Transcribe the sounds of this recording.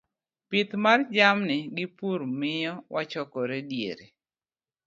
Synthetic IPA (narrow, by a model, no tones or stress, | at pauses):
pɪt̪mard͡ʒamnɪɡɪpuɾmɪjɔwʔat͡ʃɔkɔɾedjḛɾe